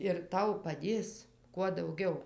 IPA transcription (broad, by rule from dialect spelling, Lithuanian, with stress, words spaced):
ɪr ˈtɐʊ pɐˈdʲeːs kuɔ ˈdɐʊɡʲɛʊ